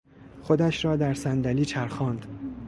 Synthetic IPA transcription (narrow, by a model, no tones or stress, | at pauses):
χod̪æʃɾɒːd̪æɾsænd̪æliːt͡ʃʰæɾxɒːnd̪̥